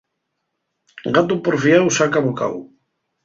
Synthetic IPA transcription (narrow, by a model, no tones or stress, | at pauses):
ɡat̪̬upoɾfiawsakaβuka̰w